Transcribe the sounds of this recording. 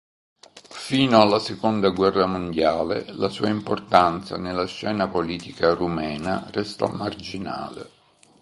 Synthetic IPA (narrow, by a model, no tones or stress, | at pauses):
fiːnoalːasekond̪aɡwɛrːamond̪jaːlelasuːaimport̪ant̪sa̰nelːaʃːɛːnapoliːt̪ikarumɛːnarɛst̪a̰mard͡ʒina̰ːlḛ